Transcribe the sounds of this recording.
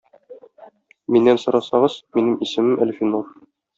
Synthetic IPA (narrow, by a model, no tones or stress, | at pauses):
minːænsɤ̆ɾɑsɑʁɤz̥minɘmisɘ̆mɘmʔælfinuɾ